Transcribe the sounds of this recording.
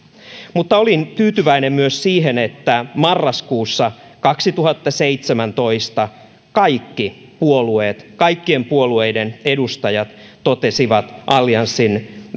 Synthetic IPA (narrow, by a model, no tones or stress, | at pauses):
mut̪ːɑo̞lint̪yːt̪yʋæinemmyøssiːɦenet̪ːæmɑrːɑskuːsːɑ | kɑksit̪uhɑt̪ːɑseit̪semænt̪o̞ist̪ɑ | kɑjkːi | puolueːt̪kɑjkːie̞mpuolue̞idene̞dust̪ɑjɑt̪t̪ot̪esiʋɑt̪ʔɑljɑnsːin